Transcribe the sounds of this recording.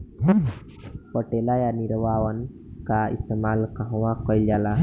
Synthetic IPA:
pəʈelajaniɾwawən | kaḭst̪emaːlkəɦwãkɔjld͡ʒaːla

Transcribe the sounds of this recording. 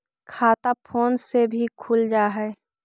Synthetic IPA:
kʰaːt̪apʰoːnsebʱikʰuld͡ʒaːɦɛː

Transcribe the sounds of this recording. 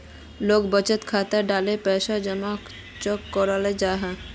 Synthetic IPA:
lokbət͡ɕet̪kʰat̪aɖalepɛʃad͡ʑɔmak | t͡ʃɔkːɔɾaled͡ʑaɦa

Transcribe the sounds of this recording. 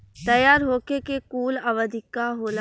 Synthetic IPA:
t̪ɐjaːɾɦoːkekekuːlaʋəd̪ʱɪkːaɦoːla

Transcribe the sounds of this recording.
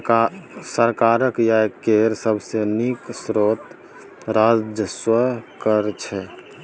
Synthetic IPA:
səɾkaɾəkjakeɾsəbʱseniksɾot̪ | ɾad͡ʒəswəkəɾt͡ʃʰɛ

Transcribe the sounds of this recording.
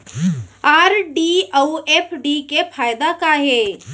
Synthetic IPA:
aːɾɖiəuepʰɖikepʰaːjd̪akaɦɛː

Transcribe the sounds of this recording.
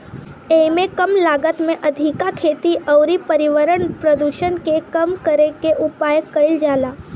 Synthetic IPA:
emẽkəmlaːɡət̪mẽʔɐd̪ʱikakʰeːt̪iʔɔwɾipəɾɪʋəɾənpɾəd̪uːʃənkekəmkəɾekeʔʊpaːjəkːɐɪld͡ʒaːlaː

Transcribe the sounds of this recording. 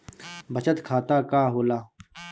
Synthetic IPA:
bɐt͡ʃət̪kʰaːt̪aːkaːɦoːlaː

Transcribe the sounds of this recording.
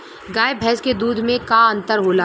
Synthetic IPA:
ɡaːebʱɛːsked̪uːd̪ʱmẽkaɐ̃nt̪əɾɦoːlaː

